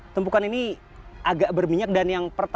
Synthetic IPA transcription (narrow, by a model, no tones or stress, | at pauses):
t̪əmpukanini | aɡaʔbərmiɲak̚danjaŋpərt̪